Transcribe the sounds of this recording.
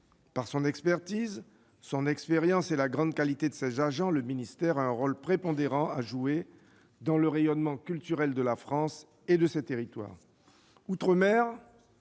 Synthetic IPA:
paʁsɔ̃nɛkspɛʁt̪iz | sɔ̃nɛkspeʁjɑ̃selaɡʁɑ̃d̪kalit̪ed̪əsɛzaʒɑ̃ləminist̪ɛʁaɛ̃ʁɔlpχepɔ̃d̪eʁɑ̃aʒue | d̪ɑ̃ləʁejɔnmɑ̃kʲylt̪yʁɛld̪əlafχɑ̃s | ed̪əsɛt̪eʁit̪wa̰ːʁ | ut̪χəmɛʁ

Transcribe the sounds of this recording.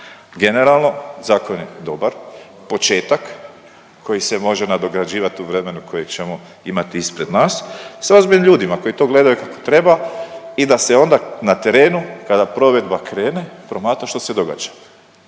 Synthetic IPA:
ɡe̞ne̞ɾalˠno̞zaːkonjed̪o̞baɾ | po̞t͡ʃe̞ːt̪akː | o̞jisemo̞ʒenad̪o̞ɡɾad͡ʑiːʋat̪iuʋɾe̞me̞nukʰo̞jet͡ʃe̞mo̞ | imat̪iispɾe̞d̪naːssozbiʎemʎʲuːd̪imako̞jit̪o̞ɡle̞d̪ajukako̞̥t̪ɾe̞baid̪ase̞o̞nd̪anat̪e̞ɾe̞ːnukad̪apɾo̞ʋe̞d̪bakɾe̞ːne̞pɾo̞maːt̪ɾaʃt̪o̞sed̪o̞ɡa̰ːd͡ʒḁ

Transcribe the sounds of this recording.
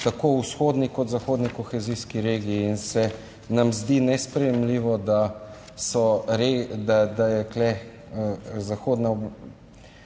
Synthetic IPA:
t̪akousxoːd̪nikɔt̪zaxoːd̪nikɔxɛziːskiɾeːɡiːnsɛ | namzd̪inɛspɾɛjɛmliʋɔd̪a | sɔɾed̪ad̪ajɛklɛ | əzaxoːd̪na

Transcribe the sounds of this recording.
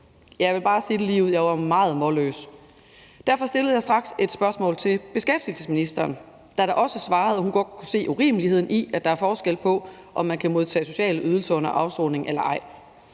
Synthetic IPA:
jɑ̈ɪʋe̝lb̥ɑ̈ːsiːd̥elḭːʊð̩̰ˠjɑ̈ɪʋɑmɑ̈ːð̞̩ˠmɒlø̰ːs | d̥æɐ̰fɒ̽sd̥e̝ləð̞̩ˠjɑ̈ɪd̥ʁɑ̈ɡ̥se̝d̥sb̥ɶɐsmɔ̰̽ːlt͡sʰe̝lb̥e̝sɡ̥efd̥ilsəsminisd̥ɐːn | d̥æɾ̥ɑ̈ʔɒ̽səsʋɑ̈ːð̩ˠhunɡ̥ɒ̽d̥̚kʰuse̝̰ːʔuʁḭːməlihe̝ð̰ˠn̩ʔiʔæd̥ɑ̈æɐfɒːsɡ̥el̰pʰɒ̽ | ʔɒ̽mːænkʰæmo̝ð̞ˠt͡sʰɛ̰ːso̝ɕɛ̰ːləʔyð̞ˠl̩sɐɔ̽nɐʔɑ̈ʊsɔ̰ːne̝ŋʔelɐʔɑ̈ɪ̰

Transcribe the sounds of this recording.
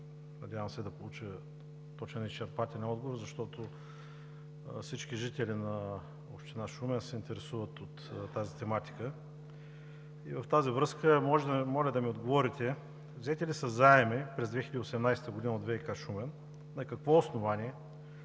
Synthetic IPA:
nɐdʲavəmsɛd̪ɐpolˠut͡ʃə | t̪ɔt͡ʃnənist͡ʃɛɾpat̪ʲɛlʲɛnɔd̪̚ɡovoɾzɐʃt̪ɔt̪o | fsit͡ʃkiʒit̪ɛlʲinɐ | ɔpʃt̪ɛnaʃumɛnsɛint̪ɛɾɛsuvət̪ot̪t̪ːazit̪ɛmat̪i̥kə | ivɐft̪azivɾɤskəmɔʒmɔlʲɐd̪ɐmiod̪ɡovɔɾit̪ʲɛ | vzɛt̪ɛlisɐzaɛmɛpɾɛzd̪vɛxilʲəd̪iosɛmnajsɛ̥t̪əɡod̪inod̪vɛikaʃumɛn | nɐkɐkvɔosnovanʲiɛ

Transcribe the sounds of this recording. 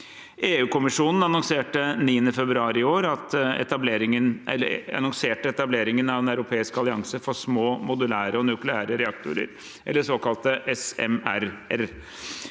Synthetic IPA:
ʔeːʉːkʊmɪʂuːnn̩ɑnɔŋseːʈəniːənəfɛbɾʉɑːɾɪoːɾɑt̪ɛ̰t̪ɑbleːɾɪŋənɛ̰lːəɑ̰nɔŋseːʈəɛt̪ɑbleːɾɪŋənɑʋɛnæʉɾʊpʰeːɪskɑlɪɑŋsəfɔʂmoːmʊd̪ʉlæːɾəɔnʉklɪæːɾəɾɛɑkt̪ʊ̰ɾə̰ɾ | ʔɛ̰lːəʂoːkɑlt̪əʔɛsɛmæɾæɾ

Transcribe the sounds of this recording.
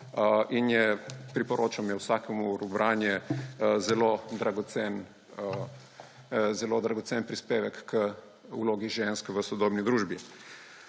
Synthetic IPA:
ʔinjɛpɾipɔɾoːt͡ʃamjɛwsaːkɛmuɾubɾaːnjɛzɛloːd̪ɾaɡɔt̪sɛn | zɛlod̪ɾaɡɔt̪senpɾispeːʋɛkːə | uloːɡiʒenskʋəsɔd̪oːbnid̪ɾuːʒbi

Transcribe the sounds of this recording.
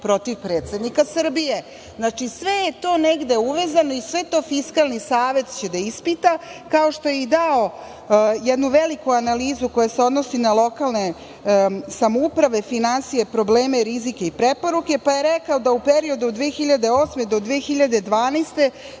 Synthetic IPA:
pɾo̞t̪iʋpɾeːt̪sed̪nikasɨr̩bije̞ | znat͡ʂisʋe̞jet̪o̞ːneɡd̪e̞uʋe̞ːzano̞isʋe̞t̪o̞ːfiskalˠnisaːʋe̞t̪t͡ɕe̞d̪aispit̪akao̞ʃt̪o̞jeid̪ao | jɛd̪nuʋelikuanaliːzuko̞jaseo̞d̪no̞sinalˠo̞kalne̞ | samoupɾaʋe̞finansije̞pɾo̞bleːme̞ɾizikeipɾepo̞ɾuke̞paje̞ɾekaod̪aupeɾio̞d̪ud̪ʋeːxiʎad̪e̞oːsmed̪o̞d̪ʋeːxiʎad̪e̞d̪ʋaːnest̪e̞

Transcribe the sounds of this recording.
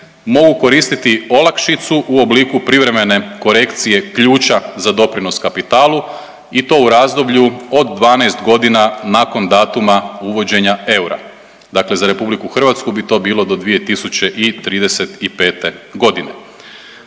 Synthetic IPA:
mo̞ɡuko̞ɾiːst̪it̪io̞lˠakʃit̪suʔuo̞bliːkupɾiʋɾe̞me̞ne̞ko̞ɾe̞kt̪sije̞kʎuːt͡ʃazad̪o̞pɾino̞skapit̪aːlˠu | it̪o̞ːuɾaːzd̪o̞bʎuo̞d̪ːʋaːnajst̪ɡo̞d̪inanaːko̞nd̪aːt̪umauʋo̞d͡ʑe̞ɲae̞wɾa̰ | d̪akle̞zaɾe̞publikuxr̩ʋat̪skubit̪o̞ːbiːlo̞d̪o̞d̪ʋije̞t̪isut͡ɕe̞ʔit̪ɾiːd̪ese̞t̪ipe̞ːt̪e̞ɡo̞d̪ine

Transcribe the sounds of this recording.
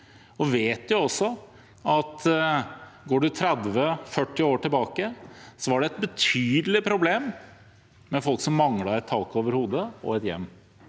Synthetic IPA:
ɔʋeːt̪ʊɔsːɔ | ɑt̪ | ɡoːɖʉt̪ʰɾɛd̪ʋəfœʈːɪoːʈɪlbɑːkəsɔʋɑɖɛɛt̪̚bət̪ʰyːd̪əlɪpʰɾʊbleːmː | ɛfɔlksɔmːɑŋlɑɾɛt̪ʰːɑːkoːʋəɾhuːd̪əɔ̰ɛt̪jɛ̰mː

